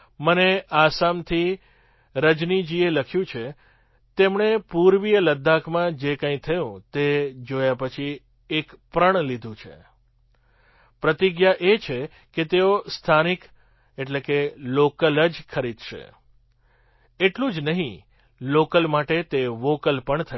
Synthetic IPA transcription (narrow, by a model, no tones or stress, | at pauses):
məneasamt̪ʰi | ɾəd͡ʒnid͡ʒieləkʰjũt͡ʃʰe | t̪emɳepuɾʋijələd̪ʱːakʰmãd͡ʒekə̃ĩt̪ʰəjũt̪ed͡ʒojapət͡ʃʰi | ekpɾəɳ̃lid̪ʱũt͡ʃʰḛ | pɾət̪iɡjaʔet͡ʃʰe | ket̪eost̪ʰanik | eʈlekelokələd͡ʒkʰəɾid̪ʃḛ | eʈlũd͡ʒnəɦĩ | lokəlmaʈet̪eʋokəlpəɳt̪ʰə